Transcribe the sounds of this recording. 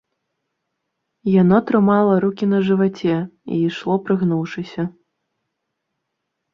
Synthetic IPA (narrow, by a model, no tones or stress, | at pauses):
janɔt̪ɾɨmalˠɐɾukʲinɐʐɨvat͡sʲɛḭːʂlˠɔpɾɨɣnuwʂɨsʲɐ